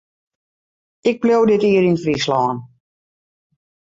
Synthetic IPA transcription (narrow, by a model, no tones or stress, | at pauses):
ɪk̚plowdɪtiːəɾinfrislɔːn